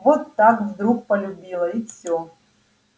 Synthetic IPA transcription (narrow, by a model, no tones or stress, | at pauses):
vɔt̪ːakvd̪ɾuk̚pɐlʲubʲilˠɐifsʲo